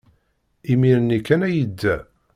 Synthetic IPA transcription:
imiɾənikːænæjəd̪ːæ̰

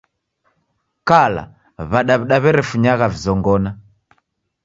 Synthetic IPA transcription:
kala̰ | βaɗaβɛɗaβɛɾɛfuɲaɣavizɔŋɡɔna

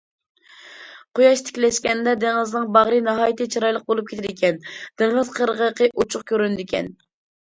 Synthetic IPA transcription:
qʰojɑʃt̪ʰɪ̥kʲlɛʃkʲɛnd̪ɛd̪eŋɨznɨŋbɑʁɾɨnɑɦɑːjit̪ʰɪt͡ʃʰiɾɑjlˠəq̚bolˠup̚kʲʰet̪ʰɪɾɪkʲʰɛnd̪̥ɪŋʁəzqʰəɾəʁəqəʔut͡ʃʰʊχkʲʰøɾynd̪ɪkʲʰɛ̰n

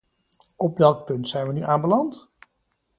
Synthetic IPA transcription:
ɔpʋɛlˠk̚pɵntsɛjnʋənyʔaːnbəlɑnt

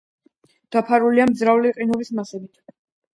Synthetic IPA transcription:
d̪̥apʰaɾuliamd̪zɾauliqʼinɔbismasɛbit̪ʰ

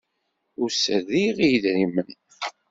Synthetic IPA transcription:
ʊɾsəðiʁijðɾimən

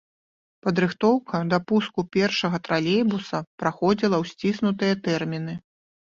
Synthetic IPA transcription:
pɐd̪ɾɨxt̪ɔwkʰɐd̪ɐpuskupʲɛrʂɐɣɐt̪ɾalʲejbusɐpɾaxɔd͡zʲilˠɐwsʲt͡sʲisnut̪ɨjɐt̪ɛrmʲinɨ

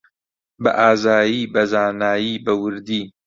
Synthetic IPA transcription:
bɐ̰ʔaːzaːjiːbɐzaːnaːjiːbɐwɨɾd̪iː

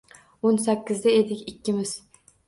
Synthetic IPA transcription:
onsækʲːɪzd̪ɛed̪ɪkʲikʲʰːɪmɪz̥

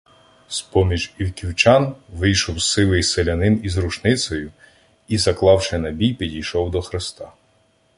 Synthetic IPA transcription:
spɔmʲiʒʲiwkʲiwt͡ʃɑnʋɪjʃɔwssɪlˠɪjselʲɐnɪnizɾʊt͡ʃnɪsʲɔjʊ | izɐklˠɑwʃɛnɐbʲijpʲidʲijʃɔwd̪ɔxɾɪst̪ɑ

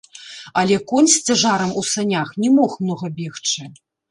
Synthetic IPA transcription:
ɐlʲɛkɔnʲsʲt͡sʲaʐaɾɐmusanʲaxnʲɛmɔxmnɔɣɐbʲɛxt͡ʂɨ

